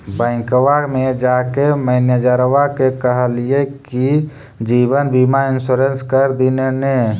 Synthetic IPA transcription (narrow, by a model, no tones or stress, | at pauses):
bə̃ɪ̃kwamed͡ʒaːkeməɦɪnjəd͡ʒəɾʋakekəɦlieki | d͡ʒiːbənbimaɪnsuɾenskəɾd̪inene